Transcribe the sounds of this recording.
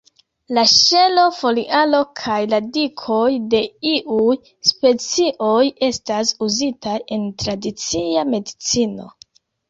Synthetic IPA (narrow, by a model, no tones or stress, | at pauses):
laʃe̞lo̞fo̞liʔalo̞kʰajladikʰo̞jde̞iʔuj | spe̞t͡siʔo̞je̞stasuzitaje̞ntɾadit͡siame̞dit͡sino̞̰